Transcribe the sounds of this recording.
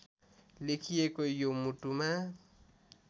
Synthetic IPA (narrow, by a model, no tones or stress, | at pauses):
lekʰiekojomuʈuma